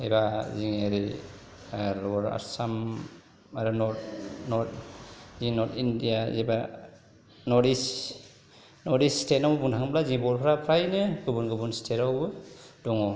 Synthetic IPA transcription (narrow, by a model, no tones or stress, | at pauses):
ebaziŋeɾi | ɾɔɔɾa̰ɾsam | aɾɯnɔtnɔtzinɔtʰindija̰ziba | nɔɾdis | nɔɾdisstet̚nawbbuntʰaŋbʰlazibɔɾpʰɾapʰɾajnɯɡɯbunɡɯbunstʰetawbɯd̥ɔŋɔ